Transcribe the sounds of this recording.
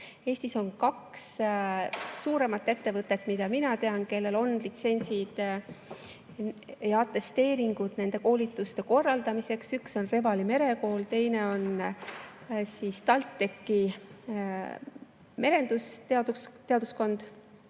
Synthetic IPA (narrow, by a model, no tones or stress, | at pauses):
e̞ːst̪iso̞nkɑks | uːɾe̞mɑt̪ːˑe̞t̪ːe̞vɤt̪ːˑe̞t̪ːˑmid̪̥ɑminɑt̪e̞ɑnke̞lːe̞lo̞nlit̪se̞nʲsid̪̥ | jɑɑt̪ːe̞st̪e̞ːɾiŋɡ̥ud̪̥ne̞nd̪̥e̞ko̞ːlit̪ːˑust̪e̞ko̞rːɑld̪ɑmise̞ksykso̞nre̞vɑlime̞ɾe̞ko̞ːlt̪e̞jne̞o̞n | siːst̪ɑlt̪ːekːˑi | me̞ɾe̞nd̪̥ust̪eɑd̪ust̪e̞ɑd̪̥usko̞nd̪̥